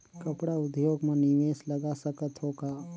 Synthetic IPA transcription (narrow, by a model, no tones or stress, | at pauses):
kɐpɽaʊd̪joːɡmẽnɪʋeːslɐɡasɐkət̪ɦoːkaː